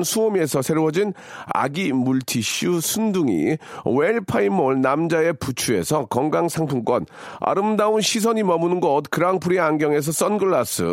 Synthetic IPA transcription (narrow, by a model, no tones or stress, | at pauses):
nsʰuomie̞sʰʌsʰe̞ɾwʌd͡ʑin | a̰ɡimuɭtʰiɕusʰunduŋḭweɭpʰaimoɭnamd͡ʑae̞put͡ɕʰue̞̰sʰʌkʌŋɡaŋsʰaŋpʰunk͈wʌn | a̰ɾɯmdaunɕʰisʰʌɲimʌmunɯnɡʌt̚kɯɾaŋpʰuɾiaŋɡjʌŋe̞s̬ʰʌs͈ʌnɡɯɭːas͈ɯ̰